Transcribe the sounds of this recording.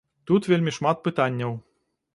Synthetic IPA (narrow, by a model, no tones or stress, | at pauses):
t̪ut̪ʋʲelʲmʲiʂmɑt̪̚pɨt̪anʲːəw